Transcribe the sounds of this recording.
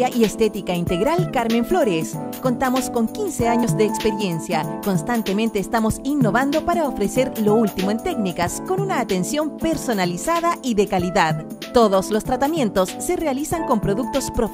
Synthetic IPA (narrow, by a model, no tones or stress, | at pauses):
aʔiest̪et̪ikaint̪eɣɾalkaɾmẽ̞ɱflo̞ɾesko̞nt̪amo̞sko̞ŋkinseaɲozðeːkspeɾje̞nsjako̞nst̪ant̪emẽnt̪eːst̪amo̞sinːoβand̪o̞paɾaofɾeseɾlo̞ult̪imoent̪e̞ɡnikasko̞nunaːt̪ensjompe̞ɾso̞nalisaðaʔiðekaliðað | t̪oðoslo̞st̪ɾat̪amje̞nt̪osːerealisaŋko̞mpɾoðuk̚t̪o̞spɾof